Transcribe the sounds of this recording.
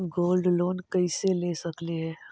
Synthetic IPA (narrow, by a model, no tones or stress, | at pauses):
ɡoːlɖloːnkəɪselesəkleɦɛː